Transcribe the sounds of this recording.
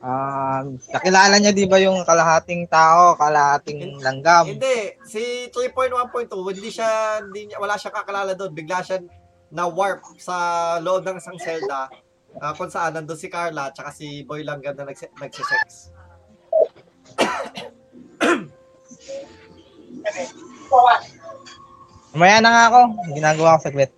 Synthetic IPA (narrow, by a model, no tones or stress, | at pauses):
ʔamnɐkɪlaːlɐɲad̪inbɐjʊŋkɐlɐɦaːt̪ɪŋt̪aːʔo̞kɐlɐhaːt̪ɪŋlɐŋɡamɪnd̪ɛsit̪ɾipo̞jnt̪wanpojnt̪ːuɪnd̪iʃand̪iɲɐwɐlaːʃaŋkɐkɪlaːlɐd̪o̞nbɪɡ̚laʃa | nɐwaɹp̚sɐloʔob̚nɐŋʔɪsɐŋsɛlt̪ɐ | ʔakʊŋsɐʔanːɐnd̪onsɪkaɹlɐt͡ʃɐkasɪbojlɐŋɡɐm̚nɐnɐɡsnɐɡ̚sɪsɛks | ɐmɐjaːnɐŋaɐko̞ɡɪnaːɡɐwakosɐɡwɛt̪̚